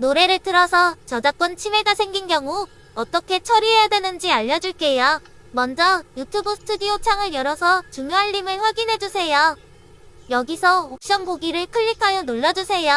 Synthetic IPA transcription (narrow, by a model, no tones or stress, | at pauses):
noɾe̞ɾɯɭtɯɾʌsʰʌt͡ɕʌd͡ʑak͈wʌnt͡ɕʰime̞ɡasʰe̞ŋɡinɡjʌŋu | ʌt͈ʌkʰe̞t͡ɕʰʌɾiɦejadwenɯnd͡ʑiaʎːʌd͡ʑuɭk͈e̞ja | mʌnd͡ʑʌjutʰubɯsʰɯ̥tʰudiot͡ɕʰaŋɯɭjʌɾʌsʰʌt͡ɕuŋjoɦaʎːimɯɭɸwaɡinɦe̞d͡ʑusʰe̞ja | jʌɡisʰʌok̚ɕ͈ʌŋboɡiɾɯɭkʰɯʎːikʰajʌnoɭːad͡ʑusʰe̞ja